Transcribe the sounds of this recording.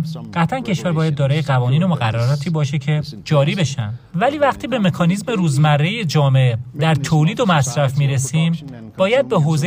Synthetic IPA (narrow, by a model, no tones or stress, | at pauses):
ɢ̥æt̪ʰæncʰe̞ʃvæɾbɒːjæd̪̚ːɒːɾɒːjeɣævɒːniːno̞moɣæ̰rːaɾɒːt̪ʰiːbɒːʃe̞cʰe̞d͡ʒɒːɾiːbe̞ʃæ̰n | væliːvæqt̪ʰiːbe̞me̞kʰɒːnizme̞ɾuːzmærːe̞jed͡ʒɒːmed̪æɾt̪ʰoliːd̪o̞mæsɾæfmiːɾe̞siːm | b̥ɒːjæd̪̚beɦoːze